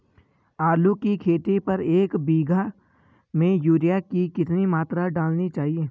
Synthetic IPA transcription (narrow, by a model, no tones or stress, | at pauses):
aːɾlukikʰeːʈepɐɾeːkbiːɡʱa | mẽjuːɾijakikɪt̪nimaːt̪ɾaɖaːlnit͡ʃaːɦieː